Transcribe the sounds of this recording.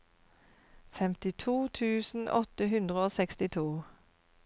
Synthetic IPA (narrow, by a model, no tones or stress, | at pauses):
fɛmt̪ɪt̪ʰuːt̪ʰʉːsn̩ʔɔt̪əɦʉnd̪ʁəoːsɛkst̪ɪt̪ʰuː